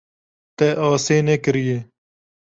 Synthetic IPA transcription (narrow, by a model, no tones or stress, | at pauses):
t̪eːʔaːseːnekəɾijeː